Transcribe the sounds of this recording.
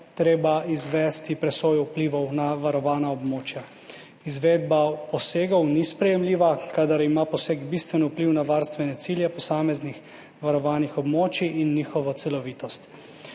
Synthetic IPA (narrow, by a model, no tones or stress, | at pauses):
t̪ɾeːbaizʋɛːst̪ipɾɛsoːjupliːʋɔwnaʋaɾɔʋaːnaɔbmoːt͡ʃja | izʋeːd̪bapɔseːɡɔwnispɾɛjɛmliːʋakad̪aɾimapɔseːɡbist̪ʋɛnupliwnaʋaːɾst̪ʋɛnɛt̪siljɛpɔsaːmɛznix | ʋaɾɔʋaːnixɔbmoːt͡ʃiʔːnːiːxɔʋɔt̪sɛlɔʋiːt̪ɔst̪